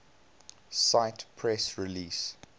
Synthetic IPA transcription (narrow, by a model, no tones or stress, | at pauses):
saɪtpʰɹɛsɹiliːs